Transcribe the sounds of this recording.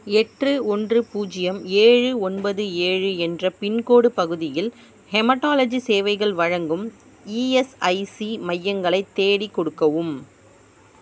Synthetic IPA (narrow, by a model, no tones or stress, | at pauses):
ɛʈrɯɔndrɯpuːd͡ʒɪjɐmeːɻɯɔnbɐðɯeːɻɯɛndrɐpɪnkoːɽɯpɐɣɯðɪjɪl | hɛmɐʈːaːlɐd͡ʒiseːʋɐɪɣɐɭʋɐɻɐŋɡɯm | iːɛsɐɪsimɐjːɐŋɡɐɭɐɪt̪ːeːɽikːɔɽɯkːɐʋɯm